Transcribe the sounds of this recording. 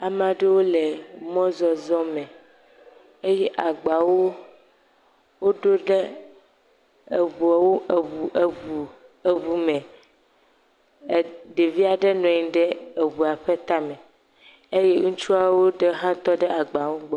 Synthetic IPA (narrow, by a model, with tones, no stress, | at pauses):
a˨mã˨ɖe˦wo˦le˨mɔ̃˦zɔ˨zɔ˦mɛ̃˨ | e˦jɛ˦ʔa˨ɡ͡ba˨wo˦ | wo˦ɖo˦ɖɛ˦ | e˨βu˨a˨wo˦ʔu˨u˨ | e˨βu˨mɛ̃˨ | ɖe˨vi˦a˨ɖɛ˦nɔ̃˨ɲĩ˨ɖɛ˦e˨wu˨a˨ɸɛ˦t̪a˦mɛ̃˨ | e˦je˦ŋũ˦t͡ʃu˦a˨wo˦ɖe˦ɦã˦t̪ɔ˦ɖɛ˦a˨ɡ͡ba˨wo˦ɡ͡bɔ˨˦